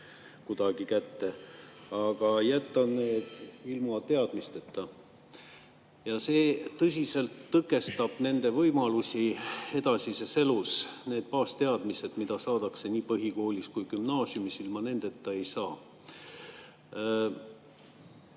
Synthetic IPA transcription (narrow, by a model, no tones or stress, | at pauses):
kud̪̥ɑɡ̥ikæt̪ːe̞ɑɡ̥ɑjæt̪ˑːɑneːd̪̥ilmɑt̪e̞ɑd̪̥mist̪e̞t̪ːɑ | jɑse̞ːt̪ːɤs̬ʲise̞lt̪ːɤkːˑe̞st̪ɑb̥ne̞nd̪e̞vɤjmɑlusʲie̞d̪ɑsʲisese̞lusne̞ːd̪̥̚pɑːst̪e̞ɑd̪̥mise̞d̪mid̪̥ɑsɑːd̪̥ɑkse̞niːpɤɦiko̞ːlʲiskujkymnɑːsjumisilmɑne̞nd̪̥e̞t̪ːɑe̞jsɑː